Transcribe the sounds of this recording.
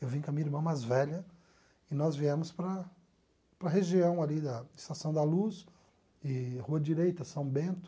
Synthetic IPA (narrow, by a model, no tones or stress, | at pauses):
ewvĩkɐmĩɐiɾmɐ̃w̃majzvɛʎɐ | ɪnɔzviɛmʊspɾɐ | pɾɐɦeʒiɐ̃w̃alid̪ɐɪst̪asɐ̃w̃d̪ɐlus | ɪhuɐd͡ʒiɾejt̪ɐsɐ̃w̃bẽnt̪ʊ̥